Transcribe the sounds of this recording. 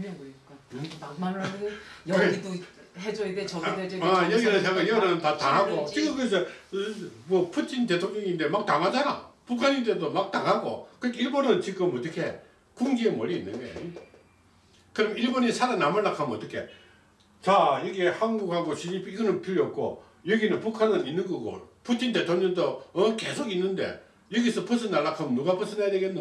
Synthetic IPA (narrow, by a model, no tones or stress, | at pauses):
amanjʌido | hed͡ʑoedet͡ɕʌɡeajʌɡinɯsʰaŋɡaiɡʌnɯɯntataɦaɡot͡ɕikɯmkɯesʰʌ | mʌpʰɯt͡ɕ͈ʰint̬e̞tʰoŋɲʌŋinde̞mak̚taŋɦad͡ʑana̰pukʰaɲint̬e̞domak̚taŋɦaɡo̰kɯkiɭbonɯnt͡ɕik͈ɯmʌt̪͈ʌkʰe̞ | kuŋɡiemʌɾiinːɯnɡʌ̰ | kɯɾʌmiɭbonisʰaɾanːamɯɭːakʰamʌt͈ʌkʰe̞ | t͡ɕaiɡehanɡuk̚haɡoɕʰid͡ʑipʰiɡʌnɯnpʰiɾjʌk͈o̰ | jʌɡinɯnpukʰanɯninːɯnɡʌɡo̰pʰutʰinte̞tʰoŋɲʌŋdoʌke̞sʰoɡinːɯnde̞̰ | jʌɡisʰʌpʰɯsʰɯnaɭːakʰamɯnuɡapʰɯsʰɯnajadeɡenːɯ